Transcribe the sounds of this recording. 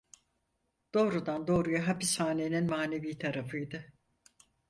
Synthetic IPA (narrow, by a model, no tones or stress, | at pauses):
d̪̥o̞ːɾud̪and̪o̞ːɾujaɦapishaːneninmaːne̞viːt̪ʰaɾafɯjd̪ɯ